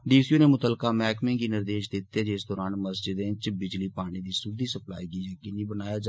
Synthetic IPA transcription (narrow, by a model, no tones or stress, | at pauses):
ɖiːsjuːneːmʊt̪əlkaːmɛːkmẽːɡiːnɪɾd̪eːʃd̪ɪt̪ːeːd͡ʒeːsd̪ɔːɾaːnməsd͡ʒɪd̪ẽt͡ʃbɪd͡ʒliːpaːɽ̃iːd̪iːsʊd̪iːsəpla̰ːiːɡiːjəkiːniːbənaːjaːd͡ʒ